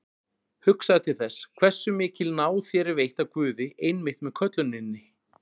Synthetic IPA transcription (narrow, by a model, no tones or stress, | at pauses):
hʏksaðt̪ʰɪlθɛskʰvɛr̥sːʏmɪːcɪlnaːwθjɛːɾɪvejht̪akvʏːðɪʔejnmɪht̪mɛðkʰœt̪lʏnɪnːɪ